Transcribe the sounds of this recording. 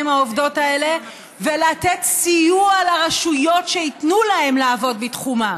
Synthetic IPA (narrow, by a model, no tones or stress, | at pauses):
mhaovdo̞tae̞le̞ | velatetsijualaʁaʃujo̞tʃeitnulahe̞mleːvo̞dbitχuma